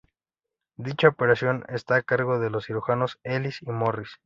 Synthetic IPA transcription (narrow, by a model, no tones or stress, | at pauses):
d̪it͡ʃaope̞ɾasjo̞ne̞st̪aːkaɾɣo̞ðe̞lo̞sːiɾuxano̞se̞lisimo̞ris